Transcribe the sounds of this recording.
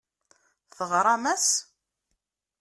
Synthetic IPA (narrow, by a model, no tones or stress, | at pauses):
θəʁɾˤɑmæs